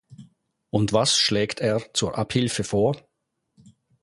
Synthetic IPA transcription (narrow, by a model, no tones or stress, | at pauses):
ʊntvasʃlɛːktʰeːɐt͡suːʔaphɪlfəfoːɐ